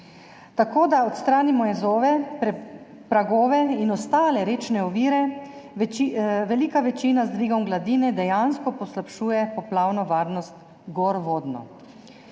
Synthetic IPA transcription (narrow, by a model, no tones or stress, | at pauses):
t̪akoːd̪aɔt̪st̪ɾaːnimɔjɛzoːʋɛpɾɛ | pɾaɡoːʋɛinɔst̪aːlɛɾeːt͡ʃnɛɔʋiːɾɛ | iʋɛliːkaʋɛt͡ʃinazd̪ʋiːɡɔmɡlad̪iːnɛd̪ɛjanskɔpɔslapʃuːjɛpɔplaːwnɔʋaːɾnɔst̪ | ɡoɾʋoːd̪nɔ̰